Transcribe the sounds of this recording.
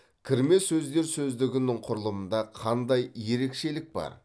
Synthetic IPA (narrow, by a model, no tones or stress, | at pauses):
kʲʰɪɾme̞sɵzd̪e̞ɾsɵzd̪ɪɡʲɪnɪɴqʰʊɾəlˠəmənd̪ɑqʰɑnd̪ɑjje̞ɾe̞kʃe̞lɪk̚bɑ̰ɾ